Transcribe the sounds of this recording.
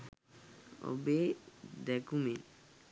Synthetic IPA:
o̰bed̪ɛkumen

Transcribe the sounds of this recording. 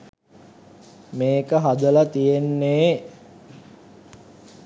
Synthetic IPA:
meːkəɦad̪əlat̪ijenːeː

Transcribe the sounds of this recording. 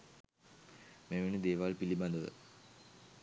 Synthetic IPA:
meʋenəd̪eːʋalpiliband̪əʋə̰

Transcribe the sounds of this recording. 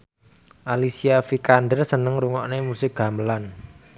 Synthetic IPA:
ʔalisiafikandərsənəŋɾuŋɔʔnemusɪk̚ɡ̥a̤mbəlan

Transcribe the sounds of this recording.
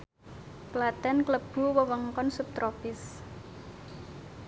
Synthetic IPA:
klat̪ɛnkləb̥ṳwəwəŋkɔnsup̚t̪ɾopɪs

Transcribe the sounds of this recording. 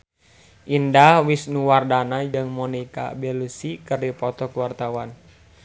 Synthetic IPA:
ʔindahwisnuwardanad͡ʒɨŋmɔnika̰bɛlusikɨrdipɔt̪ɔkuwart̪awan

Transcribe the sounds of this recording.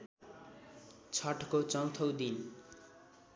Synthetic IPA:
t͡sʰʌʈʰkot͡sʌnt̪ʰʌwd̪in

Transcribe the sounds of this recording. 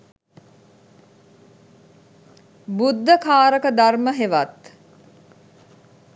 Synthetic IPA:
bud̪ʱːəkʰaːɾəkəd̪arməɦeʋat̪

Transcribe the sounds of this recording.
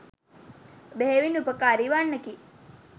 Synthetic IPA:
beɦeʋinupəkaːɾiʋaɳːəki

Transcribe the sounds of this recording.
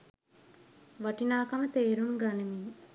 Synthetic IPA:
ʋaʈinaːkamət̪eːɾuŋɡanemi

